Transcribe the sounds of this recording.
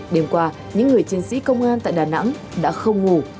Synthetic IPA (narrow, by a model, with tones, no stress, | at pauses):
ɗe˧mkwaː˧ | ɲɨ̰˧˥ŋːɨ˨˩əjt͡ɕi˧ənsḭ˧˥kə˧wŋ͡mʔaː˧nt̪a̰ː˧˨jɗaː˨˩na̰˧˥ŋ | ɗa̰ː˧˥xə˧wŋ͡mŋu˨˩